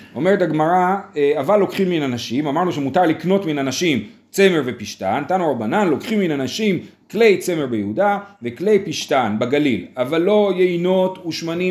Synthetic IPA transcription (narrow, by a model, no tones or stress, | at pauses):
o̞meetaɡmaʁaeavalːo̞kχimːinanaʃimamaʁnuʃemutaʁlikno̞tminanaʃim | t͡se̞me̞ʁvepiʃtant̪anuʁabananlo̞kχimːinanaʃim | kle̞jt͡se̞meʁbejeudavekle̞jpiʃtanbaɡalilavalːo̞jeino̞tuʃmani